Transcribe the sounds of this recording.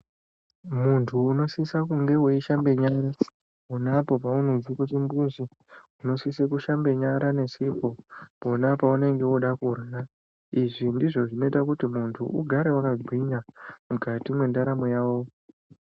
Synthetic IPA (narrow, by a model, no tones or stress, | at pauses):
muntʰuːno̞sisakuŋɡe̞weiʃambe̞ɲaɾa | onapo̞paunozikut̬imbuzi | uno̞sisekuʃambe̞ɲaɾane̞sipo̞ponapaune̞ŋɡe̞oɗakurara | iʐindiʐo̞ʐino̞itakutimuntʰṵʔuɡʱaɾeanad͡zwiɲamukatimwe̞ndaɾamojaːwo̞